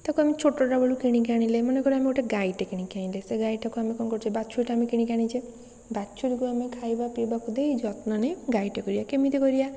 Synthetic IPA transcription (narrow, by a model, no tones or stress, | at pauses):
t̪akuamit͡ʃʰoʈɔʈabɔɭukiɽ̃ĩkaɽ̃ĩlemɔnekɔɾiamioʈeɡajʈekiɽ̃ĩkʰaĩleseɡajʈʰakuamĩkɔnkɔɾut͡ʃʰebat͡ʃʰujʈaamikiɽ̃ikaɽ̃ĩt͡ʃʰe | bat͡ʃʰuɾikuamẽkʰajbapibakud̪ejd͡ʒɔt̪nɔneɡaiʈekɔɾijakemit̪ekɔɾija